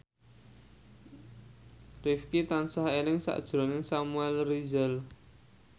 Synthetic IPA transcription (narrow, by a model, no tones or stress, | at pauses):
rifkit̪ansahelɪŋsa̰ʔd̥ʒ̥ɾɔ̤nɪŋsamuɛlrizɛl